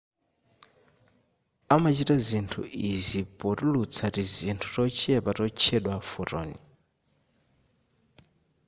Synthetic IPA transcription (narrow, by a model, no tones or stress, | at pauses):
amat͡ʃitazintʰṵʔizipɔtulut͡sʰatizintʰutɔt͡ʃʰiɛpatɔt͡ʃʰɛɗwafuɾɔ̰ːnḭ